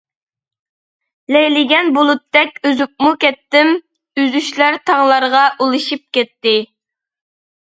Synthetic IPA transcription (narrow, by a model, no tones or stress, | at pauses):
lɛjlɪɡʲɛnbolˠut̪ːɛkʲøzyp̚mukʲɛt̪ːɪm | yzyʃlæɾt̪ʰɑŋlˠɑɾʁɑʔolˠɨʃip̚kʲɛt̪ːɪ